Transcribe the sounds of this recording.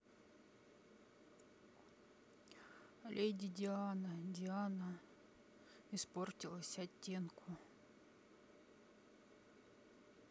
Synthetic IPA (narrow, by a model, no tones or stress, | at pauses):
lʲʔejdʲɪdʲɪanɐdʲɪanə | isportʲilˠəsʲɐtʲːenkʰʊ